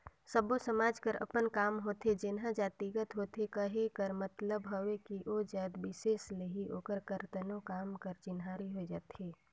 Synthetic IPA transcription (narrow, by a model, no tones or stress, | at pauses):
səbosəmaːd͡ʒkəɾə̰pənkaːmɦoːt̪ed͡ʒɪnɦãd͡ʒaːt̪iɡət̪ɦoːt̪ekəɦekəɾmət̪ləbɦoʋekiʔoːd͡ʒaːd̪ʋɪʃeːsleɦiʔoːkəɾkəɾt̪ənõkaːmkəɾt͡ʃɪnɦaːɾiɦoid͡ʒaːt̪eː